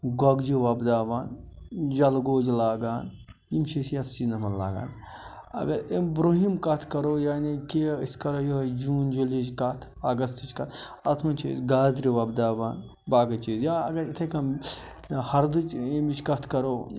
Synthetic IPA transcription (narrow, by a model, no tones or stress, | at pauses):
ɡɔɡd͡ʒiʋɐbd̪aːʋaːnd͡ʒɐlɡoːd͡ʒlaːɡaːn | jimt͡ʃʰisjɐt̪ʰsinɐmɐnla̰ːɡa̰ːn | ɐ̰ɡɐɾebɾoɦimkɐt̪ʰkɐɾoːjaːnikiiskɐɾojod͡ʒuːnd͡ʒulid͡ʒkɐt̪ʰɐɡɐst̪it͡ʃkɐt̪ʰ | ɐt̪ʰmɐnt͡ʃʰḭːzɡaːzɾiʋɐbd̪aːʋaːn | baːɡɐt͡ʃiːzjaɐ̰ɡɐɾit̪ʰɐkɐm | hɐɾd̪ɨt͡ʃemit͡ʃkɐt̪ʰkɐɾoː